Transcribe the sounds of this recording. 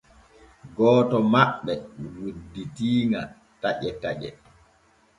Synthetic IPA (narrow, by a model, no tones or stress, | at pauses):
ɡɔːtɔmaɓːɛwudːitiːŋa | taʔɛtaʔɛ̰